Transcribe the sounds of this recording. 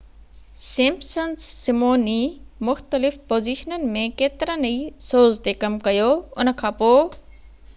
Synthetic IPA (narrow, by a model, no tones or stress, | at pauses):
sɪ̃mpsənsːɪmoːnimʊxt̪əlɪfpoːziːʃənənɪ̆mẽkeːt̪ɪɾə̃nɐisoːzt̪ekɐmkɐjoʊnəkʰãːpoː